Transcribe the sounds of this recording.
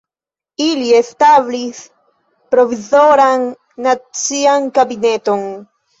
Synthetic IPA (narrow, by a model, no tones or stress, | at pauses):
iliest̪aβlis | pɾovizoɾaŋ | nat͡siaŋkabinet̪oŋ